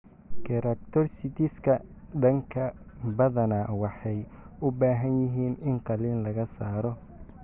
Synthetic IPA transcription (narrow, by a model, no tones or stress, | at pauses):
kʰɛɾɐk̚t̪ʰɔrsɪt̪ɪskʰɐɖɐŋkʰɐ | bɐðɐnɐwɑħɑj | ʊbaːɦɐnjɪɦiːnɪnqɑliːnlɐɣɐsaːɾɔ